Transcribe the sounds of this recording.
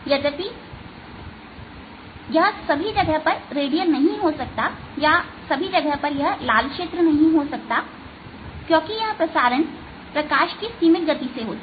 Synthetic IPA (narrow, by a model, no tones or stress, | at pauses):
jɐd͡ʒ̪ɐbi | jɐɦsɐbʱid͡ʒɐɡəɦpɐɾɾeːɖijəlnɐɦĩɦosɐk̚t̪a | ja | sɐbʱid͡ʒɐɡəɦpɐɾjɐɦlaːlkʃeːt̪ɾənɐɦĩɦosɐk̚t̪a | kjõːkijɐɦpɾɐsaːɾəɳ | pɾɐkaːʃkisiːmɪt̪̚ɡɐt̪iseɦoːt̪